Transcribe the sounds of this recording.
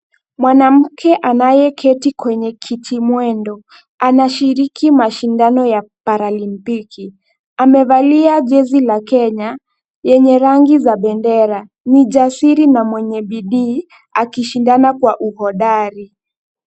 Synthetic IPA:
mwanam̩kʰɛʔanajɛkʰɛtikwɛɲɛkʰitʰimwɛndɔ | anaʃiɾikʰimaʃindanɔjapaɾalimpikʰi | amɛvaliaʄɛzilakɛɲa | jɛɲɛɾaŋɡizaɓɛndɛɾa | niʄasiɾinamwɛɲɛɓiɗiː | akiʃindanakwaʔuhɔɗaɾi

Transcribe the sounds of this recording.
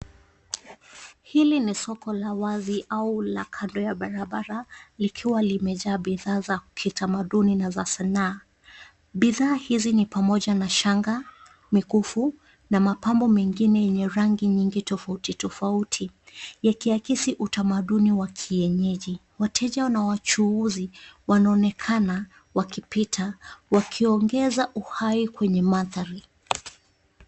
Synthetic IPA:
hilinisɔkɔlawaziʔaulakʰandɔjaɓaɾaɓaɾalikʰiwalimɛʄaːɓiðaːzakʰitamaɗuninazasanaː | ɓiðaːhizinipamɔʄanaʃaŋɡa | mikufu | namapambɔmɛŋɡinɛjɛɲɛɾaŋɡiɲiŋɡitɔfautitɔfautʰijakiakisiʔutamaɗuniwakʰiɛɲɛʄi | watʰɛʄanawat͡ʃuuziwanaːnɛkʰana | wakipitʰawakʰiɔŋɡɛzaʔuhaikwɛɲɛmaθaɾi

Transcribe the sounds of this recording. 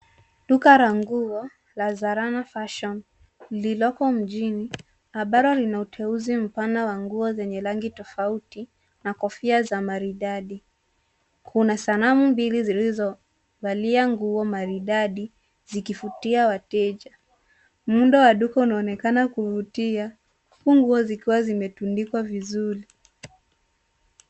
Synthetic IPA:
ɗukaɾaŋɡuɔ | lazaɾanafaʃɔn | lilɔkɔm̩ʄini | aɓaɾɔlinautʰɛuzim̩panawaŋɡuɔzɛɲɛlaŋɡitɔfauti | nakɔfiazamaɾiɗaɗi | kʰunasanamumbilizilizɔ | valiaŋɡuɔmaɾiɗaɗi | zikifutiawatɛʄa | muɗɔwaɗukɔunaɔnɛkanakuvutia | kuŋɡuɔzikiwazimɛtundikwavizuɾi

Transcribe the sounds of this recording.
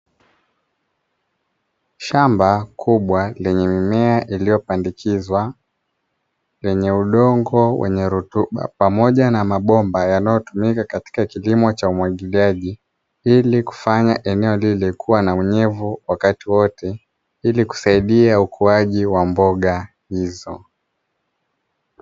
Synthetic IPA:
ʃambakʰuɓwalɛɲɛmimɛaʔilijɔpandikʰizwa | lɛɲɛuɗɔŋɡɔwʔɛ̰ɲɛɾutuɓa̰pamɔʄanamaɓɔmbajanajɔtumikakati̥kakilimɔt͡ʃaumwaɠiliaʄi | iliku̥faɲaʔɛnɛɔlilɛkuwanawɛɲɛvuwakatiwɔtɛ | iliku̥saiɗiaukʰuaʄiwambɔɠa | hizɔ

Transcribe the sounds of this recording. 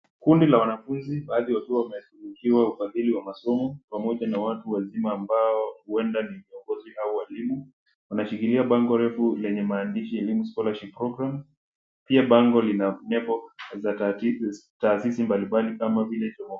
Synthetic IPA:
kundilawanafunziɓaːðiwatuawamɛtuɾikʰiwaufaðiliwamasɔmɔpamɔʄanawatuwazimaːmbaɔhuɛndaniviɔŋɡɔzihauwaɛlimu | wanaʃikiliaɓaŋɡɔɾɛfulɛɲɛmaːndiʃiɛlimuskɔlaʃikpɾɔɡɾam | piaɓaŋɡɔlinanɛbɔza | taːsisimbalimbaliʔamavilɛt͡ʃɔmɔ

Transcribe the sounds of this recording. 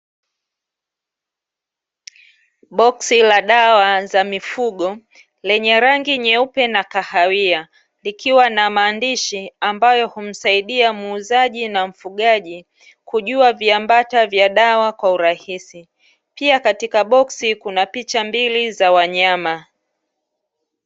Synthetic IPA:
ɓɔksilaɗawazamifuɠɔ | lɛɲɛɾaŋɡiɲɛupɛnakahawia | likʰiwanamaːndiʃiambajɔhum̩saiɗiamːzaʄinam̩fuɠaʄi | kuʄuaviambatavjaɗawakwauɾahisi | piakatikaɓɔksikunapit͡ʃambilizawaɲama

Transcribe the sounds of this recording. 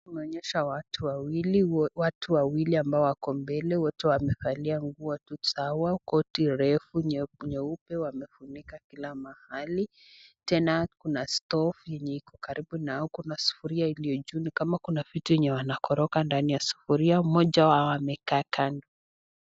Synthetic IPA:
kumɛɔɲɛʃawatuwawiliwatuwawiliambaɔwakɔmbɛlɛwɔtɛwamɛfaliaŋɡuatusawakɔtiɾɛfuɲɛupɛwamɛfunikakilamahali | tɛnakunastɔfjɛɲɛikɔ̥kaɾibunaɔkunasu̥fuɾiailiɔd͡ʒunikamakunavitujɛɲɛwanakɔɾɔkandanijasu̥fuɾiaumɔʄaawamɛkaːkandɔ

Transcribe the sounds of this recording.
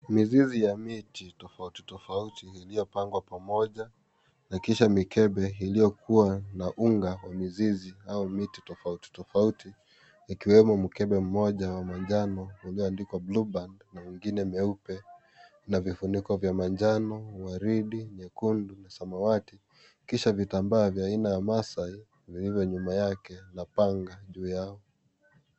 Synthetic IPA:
mizizijamititɔfauti̥tɔfautiːlijɔpaŋɡwapamɔʄa | nakiʃamikɛɓɛilijɔkʰuwanaʔuŋɡawamiziziaumiti̥tɔfauti̥tɔfautiː | kiwɛmɔmukɛɓɛm̩mɔʄawamaɲd͡ʒanɔuliɔandikwablubandnamwiŋɡinɛmɛupɛ | navifunikɔvjamaɲd͡ʒanɔwaɾiɗiɲɛkundunasamawati | kiʃavitambaːvjaːinajamasai | vilivjɔɲumajakɛnapaŋɡaʄuːjaɔ

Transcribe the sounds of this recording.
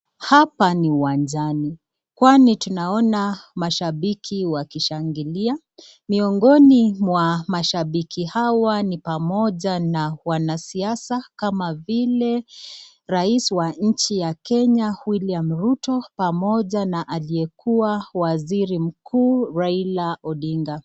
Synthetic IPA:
hapaniuwand͡ʒani | kwanitunaɔnamaʃaɓikʰiwakiʃaŋɡilia | miɔŋɡɔnimwamaʃaɓikʰihawanipamɔʄanawanasiasakamavilɛ | ɾaisiwaɲ̩t͡ʃijakɛɲawiliam̩ɾutɔpamɔʄanaʔaliɛkʰuawaziɾim̩kuːɾailaʔɔɗiŋɡa

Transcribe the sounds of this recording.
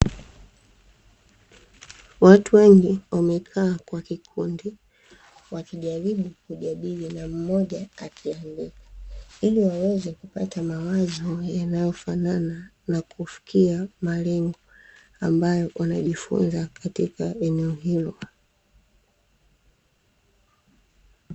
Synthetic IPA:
watuwɛŋɡiwamɛkʰaːkwakikʰundi | wakiʄaɾiɓukuʄaɗilinam̩mɔʄaːkʰianbikḁiliwawɛzɛkupatamawazɔjanajɔfanana | nakʰufi̥kiamalɛŋɡɔ | ambajɔwʔanaʄifṵnzakatikaɛnɛɔɦilɔ

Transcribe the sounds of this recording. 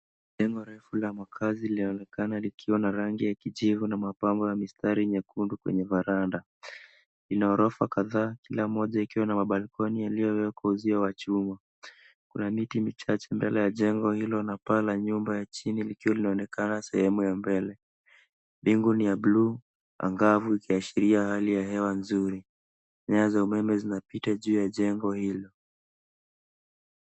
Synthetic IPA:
ʄɛŋɡɔɾɛfulamakʰazilinaɔnɛkanalikʰiwanaɾaŋɡijakiʄivunamapambɔjamistaɾiɲakundukwɛ̰ɲɛvaɾanda | linaɔɾɔfakaðaːkilam̩ɔʄaikiwanamaɓalkʰɔnijalijɔwɛkwauziawat͡ʃuma | kunamitimit͡ʃat͡ʃɛmbɛlɛjaʄɛŋɡɔhilɔnapalaɲumbajat͡ʃinilikiwalinaɔnɛkanasɛ̰hɛmujambɛlɛ | ɓiŋɡunijablu | a̰ŋɡavuikiaʃiɾiahalijaɦɛwanzuɾi | ɲaːzaumɛmɛzinapitaʄuːjaʄɛŋɡɔhilɔ

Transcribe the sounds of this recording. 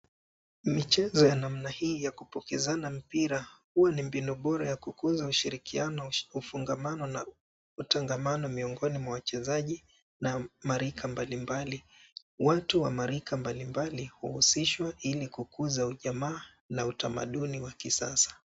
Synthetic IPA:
mit͡ʃɛzɔjanam̩nahiːjakupɔkɛzanam̩piɾahuwanimbinuɓɔɾajakukuzauʃiɾikianɔufuŋɡamanɔna | utaŋɡamanɔmiɔŋɡɔnimwawat͡ʃɛzaʄi | namaɾikʰambalimbali | watuwamaɾikʰambalimbalihuhusiʃwaʔilikukuzauʄamaː | nautama̰ɗuniwakisa̰sḁ

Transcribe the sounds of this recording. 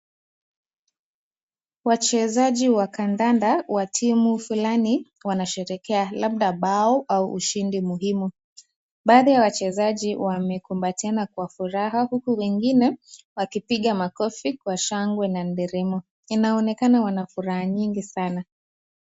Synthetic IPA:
wat͡ʃɛzaʄiwakandandawatʰimufulani | wanaʃɛɾɛkɛalaɓɗaɓaɔʔauʔṵʃindimuɦimu | ɓaːðijawat͡ʃɛzaʄiwʔamɛkumbatɛnakwafuɾaɦahukuwɛŋɡinɛwakipiɠamakɔfikwaʃaŋɡwɛnan̩dɛɾɛmɔ | inaɔnɛkanawanafuɾahaɲiŋɡisana

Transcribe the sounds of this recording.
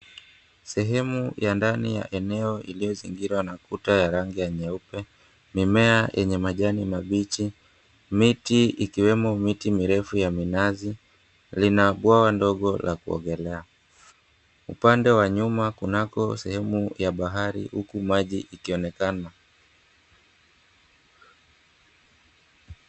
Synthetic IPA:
sɛɦɛmujʔandanija̰ʔɛnɛɔʔilijɔziŋɡiɾwanakutajaɾaŋɡijaɲɛupɛ | mimɛajʔɛɲɛmaʄanimaɓit͡ʃi | mitiikiwɛmɔmitimiɾɛfujaminazi | linaɓwawandɔɠɔlakuɔ̰ŋɡɛlɛa | ṵpandɛwaɲumakunakɔsɛhɛmujaɓaɦaɾḭhukumaʄiʔikiɔnɛkana

